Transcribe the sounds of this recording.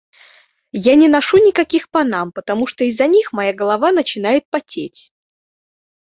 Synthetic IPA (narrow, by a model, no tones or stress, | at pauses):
janʲɪnɐʂunʲɪkɐkʲixpɐnampət̪ɐmuʂt̪oɪzːɐnʲixmɐjaɡəlˠɐvanət͡ɕɪnajɪt̪̚pɐtʲetʲ